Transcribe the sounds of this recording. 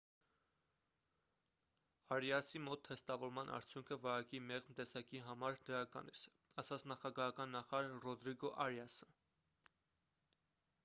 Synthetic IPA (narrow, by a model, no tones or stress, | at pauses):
ɑɾjɑsimɔt̪ʰːɛst̪ɑvɔɾmɑnʔɑ̰ɾt͡sʰjuŋkʰəvɑɾɑkimɛʁmt̪ɛsɑkiɦɑmɑɾd̪əɾɑkɑ̰nis | ɑsɑt͡sʰnɑχɑɡɑɦɑkɑnːɑχɑɾɑɾːɔd̪ɾiɡɔʔɑɾjɑsə̥